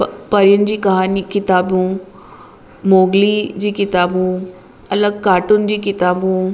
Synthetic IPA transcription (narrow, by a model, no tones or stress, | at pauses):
pɐɾijənɪ̆d͡ʑiːkɐɦaːnikɪt̪aːbũː | moːɡlid͡ʑiːkɪt̪aːbũ | ɐləɡkaːʈʊnɪd͡ʑiːkɪt̪aːbũ